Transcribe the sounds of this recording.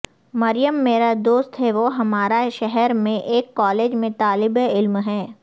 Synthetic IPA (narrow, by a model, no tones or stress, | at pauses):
mɐɾɪjəmːeːɾad̪oːst̪ɦɛʋoɦɐmaːɾaʃɛɦɛɾmẽʔeːkːɔːleːd͡ʒmẽt̪aːlɪbeɪlmɦɛː